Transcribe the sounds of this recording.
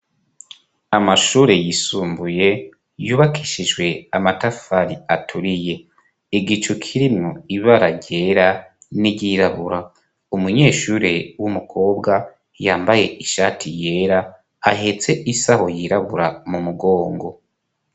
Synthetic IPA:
amaʃuːɾejisuːmbuje̞ | juːβakʰiʃiʒwe̞amatafaɾiatʰuɾije̞ | iɡit͡ʃukʰiɾimŋoiβaɾaɟe̞ɾa | niɟiɾaβuɾa | umuɲe̞ːʃuɾewumukʰo̞ːbɡa | jaːmbaje̞ʔiʃaːtʰije̞ːɾaː | ɦet͡se̞ʔisaho̞jiɾaβuɾamumuɡo̞ːŋɡo̞

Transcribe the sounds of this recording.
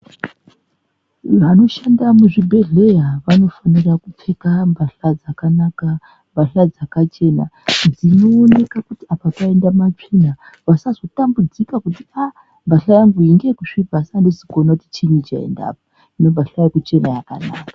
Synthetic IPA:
ʋano̞ʃandamuʐibʱe̞ɮe̞jaʋano̞fanirakup͡fe̞kambʱaɬad͡zakanaka | mbʱaɬad͡zakat͡ʃe̞nad͡zino̞ːne̞kakutiapapae̞ndamat͡ʂina | ʋasazo̞tambud͡zikakutia | mbʱaɬajaŋɡuiŋɡe̞kuʂibʱasandesikonakutit͡ʃinit͡ʃa̰ḛnda̰ːpo | ino̞bʱaɬajakut͡ʃe̞najaka̰na̰ːkḁ

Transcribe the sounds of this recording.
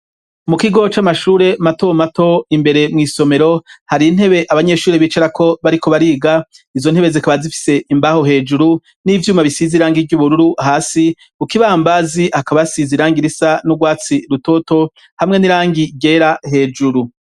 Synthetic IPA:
mukiɡo̞t͡ʃamaʃuːɾe̞mato̞mato̞imbe̞ɾe̞mŋiːso̞me̞ɾo̞haɾin̥he̞βe̞ʔaβaɲe̞ːʃuːɾeβiːt͡ʃaɾakʰo̞βaɾiko̞βaɾiːɡa | izo̞n̥he̞βe̞zikaβazifi̥se̞imbaho̞ɦe̞ːd͡ʒuɾu | nivjuːmaβisiziɾaːŋɡiɟuβuɾuɾuʔaɦaːsi | ukiβaːmbazihakaβasiziɾaːŋɡiɾisanuɡwaːt͡siɾuto̞to̞ | hamŋe̞niɾaːŋɡiɟeɾahe̞ːd͡ʒuɾu

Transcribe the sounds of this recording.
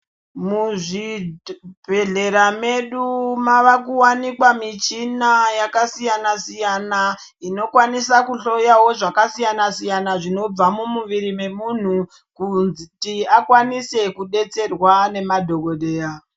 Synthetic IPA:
muʐi | bʱe̞ɮe̞ɾameɗumaʋakuwanikwamit͡ʃinajakasijanasijana | ino̞kwanisakuɬo̞jawo̞ʐakasijanasijanaʐino̞b͡vamumuʋiɾime̞mun̤u | kunzitiakwanise̞kuɗe̞t͡se̞rwane̞madʱo̞ko̞ɗe̞ːja

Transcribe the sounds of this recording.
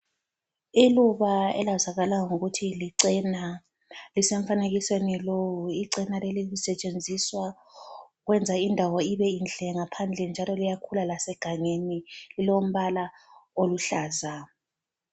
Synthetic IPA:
iluβaɛ̰lazaɣalaŋuɣutʰiliǀina | lisɛɱfaneɣiswenilowuiǀinalelilisɛt͡ʃʼend͡zʱiswa | uɣwɛnd͡zʱaindʱawɔiβɛind͡ɮʱɛŋapʰand͡ɮʱɛnd͡ʒʱalɔlijakʰulalasɛɡ̥ʱaŋenililom̩βalaoluɬaːza

